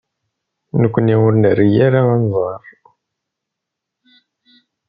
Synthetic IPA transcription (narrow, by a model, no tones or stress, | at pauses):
nəkʷːəniwʊɾnərijaɾaanzˤɑɾˤ